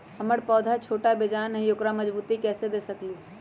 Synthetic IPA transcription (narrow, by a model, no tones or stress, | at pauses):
ɦəməɽpɔːd̪ʱat͡ʃʰoːʈabed͡ʒaːnəɦioːkɾaməd͡ʒbuːt̪ikɛːsed̪eːsəkliː